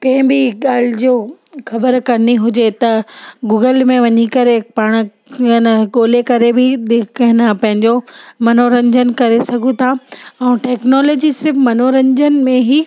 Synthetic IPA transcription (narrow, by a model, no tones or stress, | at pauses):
kɐ̃ɦɪ̃bɪɠaːl̤ɪd͡ʑoː | xɐbəɾkɐɾniɦʊd͡ʑet̪ɐɡuːɡəlmẽʋɐɲikɐɾepaːɽ̃̆ | nəɠoːlekɐɾebɪɗɪkʰɦɪnapɐ̃ɦɪ̃ɲd͡ʑomɐnoɾɐ̃ɲd͡ʑənkɐɾesɐɡʱũt̪ʰaɛ̃ːʈɛːknɔːloːd͡ʑisɪɾfmɐnoɾɐ̃ɲd͡ʑən̆mẽɦiː